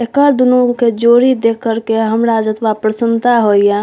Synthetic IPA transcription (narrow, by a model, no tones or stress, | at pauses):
ekəɾd̪unoked͡ʒoɾid̪ekʰːəɾkeɦəmɾad͡ʒət̪bapɾəsənt̪aɦoijã